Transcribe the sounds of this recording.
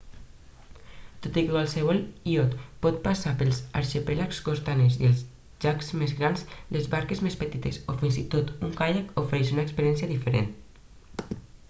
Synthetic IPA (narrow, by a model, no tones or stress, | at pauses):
t̪ot̪ikekwalˠsəβ̞ɔliot̪pɔt̪̚pasapəlˠza̰ɾʃepelakzkost̪anezielˠz | ʒakzmezɣɾanzlezβaɾkezmespət̪it̪esofinzit̪ot̪uŋkajakofeɾeʃunaekspəɾjɛnsjaðifəɾḛn